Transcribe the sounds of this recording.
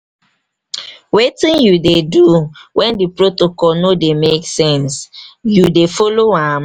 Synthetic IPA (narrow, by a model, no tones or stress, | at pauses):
wetĩnjudeduwʔɛ̃ndipɹotokɔlnodemeksɛ̃nsjudefɔloãm